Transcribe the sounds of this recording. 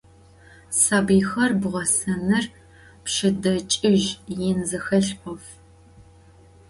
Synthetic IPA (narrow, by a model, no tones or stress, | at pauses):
sabiːxɐrbʁʷɔsɐnɐr | pʃɪdɐt͡ʃʼɪʒjɛnzɨxɐɬʔʷɔf